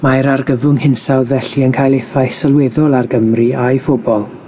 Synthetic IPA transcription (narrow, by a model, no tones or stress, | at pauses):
majɾarɡəvʊŋhɪnsawðvɛɬiənkʰajlˠefajsalˠwɛðɔlˠarɡəmriajfʊbɔlˠ